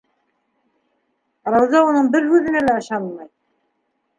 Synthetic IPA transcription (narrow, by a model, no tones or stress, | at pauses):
ɾɑwðɑunɤɴbɘɾhʉðɘ̆nælæɤ̆ʃɑnmɑj